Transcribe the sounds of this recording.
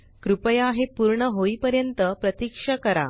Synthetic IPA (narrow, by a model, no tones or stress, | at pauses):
kɾupəjaɦepuɾɳəɦoipəɾjənt̪əpɾət̪ikʂəkəɾa̰